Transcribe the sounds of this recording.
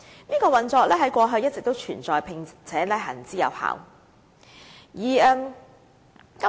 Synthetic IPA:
niː˥kɔː˧wɐ˨nt͡sɔː˧k̚lɛː˥ɦɐ˨˥jkʷɔː˧ɦɵ˧jɐ˥t̚t͡sɪ˨k̚t̪o˥wt͡ʃʰyː˨˩nt͡sɔː˨jpʰɪ˨ŋt͡sʰɛː˨˥lɛ˥ɦɐ̰˨˩nt͡siː˥jɐ̰˨˧wha̰ː˨w | jiː˨˩ɛː˧m | kɐ˥

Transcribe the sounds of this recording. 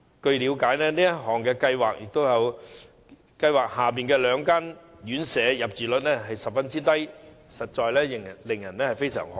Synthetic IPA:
kɵ˧ɥli˨˧wkaː˨˥jnɛː˥niː˥jɐ˥t̚ɦɔː˨˩ŋkɛː˧kɐ˧jwaː˨k̚jɪ˨k̚t̪o˥wjɐ˨˧w | kɐ˧jwaː˨k̚haː˨˩p̬iː˨nkɛː˧lœː˨˧ŋkaː˥n | jyː˨˥nsɛː˨˧jɐ˨p̚t͡siː˨lɵ˨t̚nɛː˥ɦɐ˨jsɐ˨p̚fɐ˥nt͡siː˥t̪ɐ˥j | sɐ˨t̚t͡ʃɔː˧jlɛː˥jɪ˨ŋ˨lɪ˨˩ŋjɐ˨˩nɛː˥hɐ˨jfe˥jsœ̰ː˨˩ŋh

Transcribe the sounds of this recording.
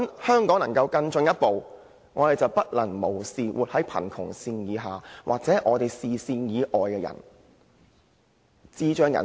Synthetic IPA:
nhœː˥ŋkɔː˨˥ŋnɐ˨˩ŋkɐ˧wkɐ˧nt͡sɵ˧ŋjɐ˥t̚po˨w | ŋɔ̰ː˨˧t̪e˨˩jt͡sɐ˨wpɐ˥t̚lɐ˨˩ŋmo˨˩wsiː˨wʔṵː˨t̚hɐ˨˥jpʰɐ̰˨˩nkʰʊ̰˨˩ŋsiː˧njiː˨˧ɦaː˨˩wʔaː˨k̚t͡sɛː˨˥ʔɔː˨˧t̪e˨jsiː˨siː˧njiː˨˧ʔɔː˨jkɛː˧jɐ̰˨˩n | t͡siː˥t͡ʃœː˥ŋjɐ̰˨˩

